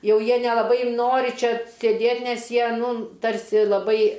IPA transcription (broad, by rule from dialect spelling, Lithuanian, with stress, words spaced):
ˈjɛʊ ˈjiɛ nʲɛlˠɐˈbɐɪ ˈnoːrʲɪ ˈt͡ʃʲɛ sʲeːˈdʲeːtʲ ˈnʲɛs ˈjiɛ ˈnuː ˈtɐrʲsʲɪ lˠɐˈbɐɪ